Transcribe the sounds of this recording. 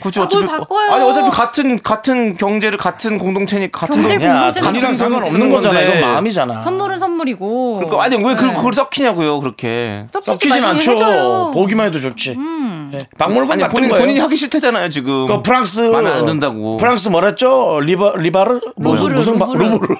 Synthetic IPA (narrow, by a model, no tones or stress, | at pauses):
kut͡ɕʰʌt͡ɕʰk͈aɲiʌt͡ɕ͈ʌpʰjekatʰɯnkatʰɯnkjʌŋd͡ʑe̞ɾɯɭkatʰɯnkoŋdoŋt͡ɕʰeɲik͈akatʰɯndoɲakaiɾaŋsʰeŋɡʌnʌmnɯnɡʌd͡ʑanajoomamid͡ʑana̰jmuɾɯsnmuɾiɡokɯɾk͈ʰaaɲiwe̞kɯkɯɡʌɭs͈ʌkʰiɲaɡujokɯɾʌkʰe̞̰s͈ʌkʰid͡ʑinnant͡ɕʰopoɡimanedot͡ɕot͡ɕʰijepaŋmuɭɡaɲakoɲoɲiɲihaɡiɕʰiɭtʰed͡ʑanajot͡ɕiɡɯkapʰɯɾaŋs͈ʰɯadɯndaɡo̰pʰɯɾaŋs̬͈ʰɯmʌɾat̚t͡ɕ͈oɾibaːibaɾɯ | mousʰɯŋbaɾubuɾ